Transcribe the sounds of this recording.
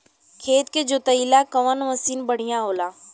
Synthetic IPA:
kʰeːt̪̚ked͡ʒʊt̪əilakəʋənʋəsiːnbəɽ̤ijãɦoːlaː

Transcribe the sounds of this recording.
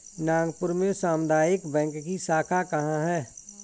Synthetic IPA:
nãːŋɡpʊɾmẽsaːmd̪aːjɪkbɛ̃ːŋkːisaːkʰakɐɦãɦɛː

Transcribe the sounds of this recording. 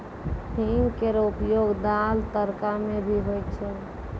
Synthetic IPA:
himkeɾupjoɡd̪alt̪əɾkamebʱiɦojt̪t͡ʃʰɛ

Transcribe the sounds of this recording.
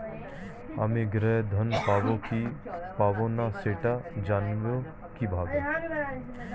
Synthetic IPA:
a̰meɡɾɛd̪ʱənpaːbokipaːbonaseːʈad͡ʒaːnʋo | kibʱaːɡe

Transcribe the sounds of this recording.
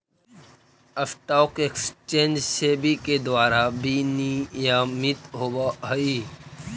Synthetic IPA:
əfʈaʊkekst͡ʃẽːnd͡ʒsebiked̪waːɾabinijaːmit̪ɦoːbaɦəi

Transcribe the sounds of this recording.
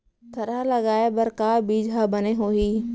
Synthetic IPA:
t̪ʰɐɾalɐɡaːebəɾkaːbiːd͡ʒabəneɦoːiː

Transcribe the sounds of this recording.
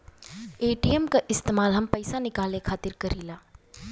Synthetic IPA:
eːʈiːemkaʔɪst̪eːmaːlɦɐmpɐjsanɪkaːlekʰaːt̪ɪɾkɐɾiːlaː

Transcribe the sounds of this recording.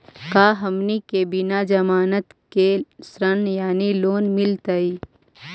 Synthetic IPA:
kaːɦɐmnikebɪnad͡ʒɐmaːnət̪kesɾənjaːniloːnmɪlt̪əiː

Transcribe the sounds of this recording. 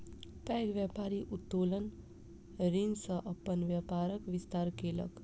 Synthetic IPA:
pɛɡʋjapaɾiʔut̪ːolən | ɾinsʌʔʌpːənʋjapaɾəkʋist̪aɾkelə̰k

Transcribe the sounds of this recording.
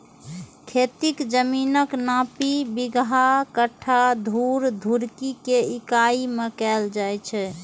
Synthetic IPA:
kʰet̪ikd͡ʒəminəknapibiɡɦakəʈʰːad̪ʱuɾd̪ʱuɾkikeikaimekɛld͡ʒajt͡ʃʰɛ

